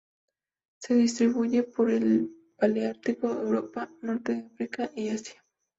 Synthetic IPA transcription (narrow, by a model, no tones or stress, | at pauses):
seðist̪ɾiβujepoɾel | b̥aliaɾt̪ɪkoewɾopanoɾt̪eafɾikaʔiasjḁ